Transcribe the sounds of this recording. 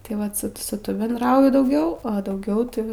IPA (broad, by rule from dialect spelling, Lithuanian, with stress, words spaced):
tɐɪ ˈʋɐt sʊ ˈsʊ ˈtʊ bʲɛndˈrɐʊjʊ dɐʊˈɡʲɛʊ oː dɐʊˈɡʲɛʊ ˈtɐɪ